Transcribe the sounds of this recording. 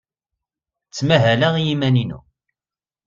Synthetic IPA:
t͡sːmæɦælæʁijimæninṵ

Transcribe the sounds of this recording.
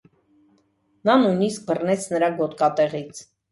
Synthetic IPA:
nɑnujnisk̚bərnɛt͡sʰnəɾɑɡɔt̪kɑt̪ɛʁit͡sʰ

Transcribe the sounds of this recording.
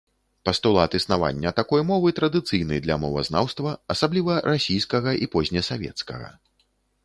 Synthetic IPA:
pɐst̪ulˠat̪ɨsnava̰nʲːɐt̪akɔjmɔvɨt̪ɾɐd̪ɨt̪sɨjnɨjd̪lʲɐmɔvɐ̰znawst̪vɐɐsablʲivɐɾʔasʲijskɐɣɐʔipɔzʲnʲɐsavʲɛ̰t̪skɐ̰ɣɐ̰

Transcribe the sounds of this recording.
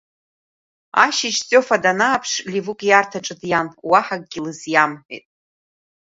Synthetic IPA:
a̰ʃɪʃt͡sʼofadanaːpʰʂlivɨkʼjartʰaʈ͡ʂʼɨdjamwaħak̚ʼɡʲilɨzjamħʷᶣḭtʼ

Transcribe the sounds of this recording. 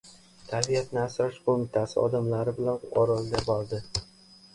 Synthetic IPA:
t̪ʰabijat̪nɪasɾɒʃqomɪt̪ʰasɪɒ̰d̪amlaɾɪbɪlanɒɾɒlˠɡʲabɒɾd̪ɪ

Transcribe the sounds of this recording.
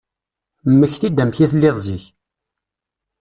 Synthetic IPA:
mːəçθid̪ːæmçiθlːɪðˤziç

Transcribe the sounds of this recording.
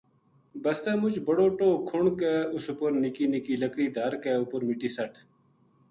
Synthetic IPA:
bəst̪eːmʊt͡ʃbəɽoːʈoːkʰʊɳkeːʊsʊpʊɾnɪkiːnɪkiːləkɽiːd̪ʱaɾkɛːʊpʊɾmɪʈiːsəʈʰ

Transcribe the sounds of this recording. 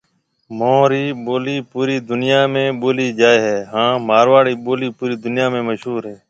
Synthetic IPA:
mõːɾiːɓoːliːpuːɾiːd̪ʊnɪjaːmẽːɓoːliːd͡ʒaːeːɦɛːɦãːmaːɾʋaːɽiːɓoːliːpuːɾiːd̪ʊnjaːmẽːməʃɦuːɾɦɛ̃ː

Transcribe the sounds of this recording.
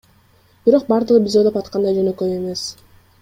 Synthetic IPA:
b̥iɾo̞q̚bɑɾd̪ɯʁɯbʲizod̪opɑt̪qɑnd̪ɑjd͡ʒønøkøje̞me̞s

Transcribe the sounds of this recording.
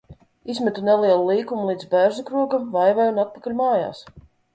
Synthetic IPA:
izmʲɛt̪unelˠiɛlˠulˠiːkumulˠiːd̪zbæɾzukɾuɔkavajvɛjunat̪̚pakalʲmaːja̰ːs

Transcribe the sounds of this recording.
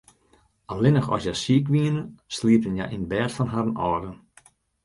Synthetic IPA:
ʔalɪnəxɔ̰sjasiəkʋiənəsliəpənjajʔinbɛːtfɔnɦaɾənɔːdən

